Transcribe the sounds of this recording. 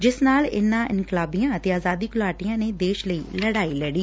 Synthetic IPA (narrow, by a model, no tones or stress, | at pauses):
d͡ʒɪsnaːlɪ̰nːãːʔɪ̰nklaːbijãːət̪eːaːzaːd̪iːkʊlaːʈijãːneːd̪eːʃləiːləɽaːiːləɽiː